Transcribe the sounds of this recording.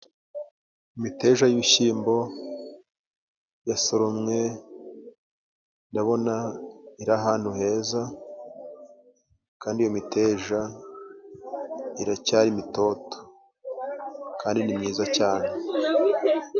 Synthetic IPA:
imite̞ːʒajiβiʃiːmbo̞ | jasoɾomŋe | naβo̞naiɾaɦaːn̥huɦe̞ːza | kaːndijo̞miteʒa | iɾacaːɾimito̞to̥ | kaːndinimɲiːzacaːne

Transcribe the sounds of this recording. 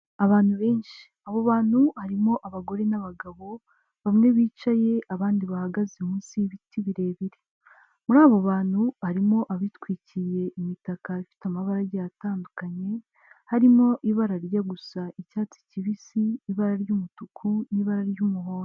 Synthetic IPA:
aβaːn̥huβe̞ːnʃi̥ | aβoβaːn̥huhaɾimo̞ʔaβaɡo̞ɾe̞naβaɡaβo̞ | βamŋe̞βiːt͡ʃaje̞ʔaβaːndiβahaɡazeumuːnsiβitiβiɾe̞ːβiɾe | muɾaːβoβaːn̥huhaɾimo̞ʔaβitkwiːcije̞ʔimitakaifi̥tamaβaɾaɾɟajataːndukaɲe̞ | haɾimo̞ʔiβaɾaɾjaɡusaicaːt͡si̥ciβisiːβaɾaɾjumutukʰuniβaɾaɾjumuɦoːɾo

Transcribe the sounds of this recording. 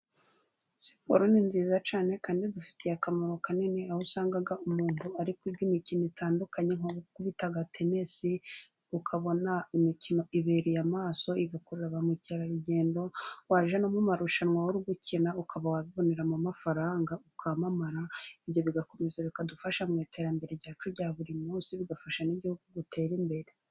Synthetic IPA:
si̥po̰ɾoninziːzat͡ʃaːne̞kaːndidufi̥tijakamaɾokanineahusaːŋɡaɡaumuːnhuaɾikwibɡimicinoitaːndukaɲeŋokuβitaɡatʰemesi | ukʰaβo̞naimicino̞iβeɾijamaːso̞iɡakoɾeɾaβamuceɾaɾuɟe̞ːndo̞waʒanomumaɾuʃanwawoɾuɡucʰinaukʰaβawaβiβo̞neɾamamafaɾaːŋɡaukʰamamaɾaiβjo̞βiɡako̞mezaβikadufaʃamŋiːtʰe̞ɾambe̞ɾeɾɟaːt͡ʃuɾɟaːβuɾimuːsiβiɡafaʃaniɟihuɡuɡutʰe̞ːɾimbe̞ɾe

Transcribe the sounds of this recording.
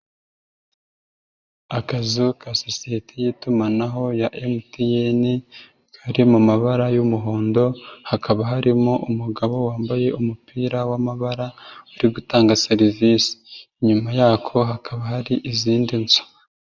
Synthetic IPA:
akazukʰasosijetʰejiːtumanaɦo̞jaʔemtijeni | kʰaɾimumaβaɾajumuɦoːndo̞hakʰaβaɦaɾimoʔumuɡaβo̞waːmbaje̞umupiːɾawamaβaɾauɾiɡutaːŋɡaseɾivisi̥iɲumajaːkʰo̞ɦakʰaβahaɾiʔiziːndinsu̥

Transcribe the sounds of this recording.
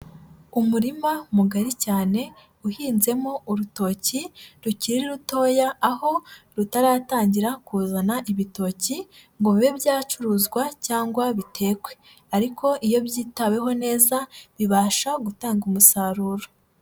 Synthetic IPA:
umuɾimamuɡaɾicaːne̞ | uhiːnze̞mo̞uɾuto̞ːciɾuciɾiɾiɾuto̞ːjaːho̞ɾutaɾaːtaːɲɟiɾakuːzanaʔiβito̞ːciŋɡoβiβebjaːt͡ʃuɾuːzɡwacaːŋɡwaβitʰe̞ːkwe̞̥ | aɾikʰo̞ʔijo̞βjiːtawe̞ɦo̞ne̞ːzaβiβaːʃaɡutaːŋɡumusaːɾuːɾo

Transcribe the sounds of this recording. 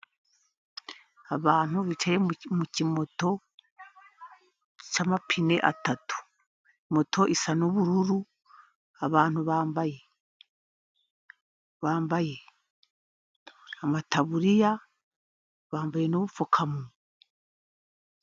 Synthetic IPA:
aβaːn̥uβit͡ʃaɾemucimo̞to̞ | t͡ʃamapʰine̞̰ʔatatu̥ | imo̞tʰo̞ʔisanoβuɾuɾu | aβaːn̥huβaːmbaje | βaːmbaje | amataβuɾija | βaːmbaje̞no̞ːβufokʰamu

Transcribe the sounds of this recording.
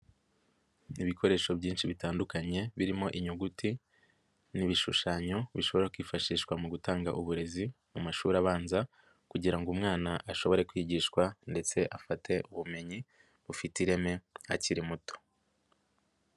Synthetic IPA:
iβikʰo̞ɾe̞ːʃo̞βɟiːnʃiβitaːndukaɲe̞βiɾimo̞ʔiɲuɡuti | niβiʃuʃaːɲo̞βiʃo̞βo̞ɾakwiːfaʃiːʃkwamuɡutaːŋɡaʔuβuɾe̞zi | mumaʃuːɾaβaːnza | kuɟiɾaŋɡumŋaːnaʔaʃo̞βo̞ɾe̞kwiːɟiːʃkwande̞t͡se̞ʔafatʰe̞ʔuβume̞ɲi | βufitiɾe̞me̞a̰ciɾimuto̥

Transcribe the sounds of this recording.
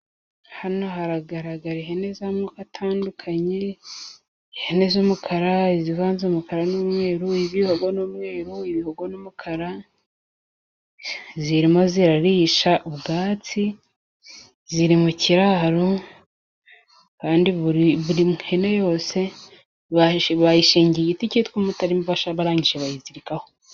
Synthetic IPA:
hano̞ɦaɾaɡaɾaɡaɾiɦene̞zamukatʰaːndukʰaɲe | ihenezomukʰaɾaiziβaːnzomukaɾanumŋe̞ːɾuiβiho̞ɡonumŋe̞ːɾuiβihoɡonumukʰaɾa | ziɾimo̞ziɾaɾiːʃaʔuβɡaːt͡si | ziɾimuciɾaːɾo | kaːndiββuɾimenejo̞ːse̞ | βaβajiʃiːɲɟieɟiticitkumutaɾimoβaʃaβaɾaːɲɟiʒeβajiziɾikaho

